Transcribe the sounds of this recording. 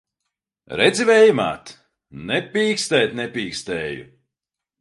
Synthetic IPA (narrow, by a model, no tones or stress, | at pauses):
ɾɛd̪zʲivɛjma̰ːt̪ | nɛpʲiːkst̪ɛːt̪nɛpʲiːkst̪ɛːjṵ